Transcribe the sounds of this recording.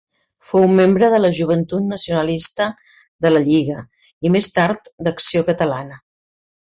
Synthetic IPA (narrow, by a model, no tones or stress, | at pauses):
fowmembɾəðələʒuβ̞ənt̪ut̪nəsiunəlist̪ə | d̪ələʎiɣə | imest̪aɾt̪d̪əksiokət̪əlanə